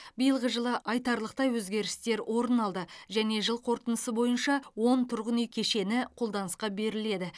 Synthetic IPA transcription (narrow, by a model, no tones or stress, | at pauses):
bijəlˠʁəʒəlˠəʔɑjt̪ɑɾlˠəq̚t̪ɑjwɵzɡʲe̞ɾɪst̪e̞ɾwʔo̞ɾənɑlˠd̪əʒæne̞ʒəlˠqʰo̞ɾt̪ənəsəbo̞jənʃɑwo̞nt̪ʰʊɾʁənijkʲʰe̞ʃe̞nɪqʰo̞lˠd̪ɑnəsqɑbe̞ɾɪle̞d̪ɪ